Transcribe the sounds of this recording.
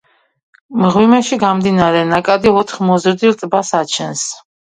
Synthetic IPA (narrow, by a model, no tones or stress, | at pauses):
mʁwimɛʃiɡamd̪inaɾɛnakʼad̪iɔt̪ʰχmɔzɾd̪ilt̪ʼbasat͡ʃʰɛns